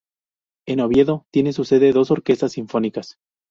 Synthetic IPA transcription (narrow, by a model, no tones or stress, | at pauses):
e̞no̞βje̞ðo̞t̪je̞nes̬use̞ðe̞ðo̞so̞ɾke̞st̪asːiɱfo̞nikas